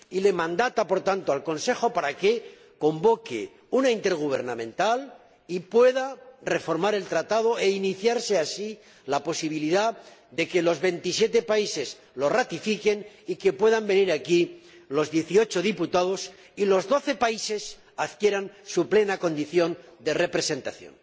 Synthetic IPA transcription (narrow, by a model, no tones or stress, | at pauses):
ile̞mãnd̪at̪apo̞ɾt̪ant̪oalko̞nse̞xo̞paɾake̞ | ko̞mbo̞kḛ | unaint̪e̞ɾɣ̞uβ̞e̞̰ɾnamẽ̞nt̪al | ipwe̞ðare̞fo̞ɾmaɾe̞lt̪ɾat̪að̞o̞e̞iniθjaɾse̞asi | lapo̞siβ̞iliðad̪e̞ke̞lo̞zβe̞nt̪isje̞t̪e̞paise̞s | lo̞rat̪ifike̞n | ike̞pwe̞ðambe̞niɾaki | lo̞zðje̞θio̞t͡ʃo̞ðiput̪að̞o̞s | ilo̞zðo̞θe̞paise̞s | aðkje̞ɾansuple̞nako̞nd̪iθjo̞nd̪e̞re̞pɾe̞se̞nt̪aθjo̰n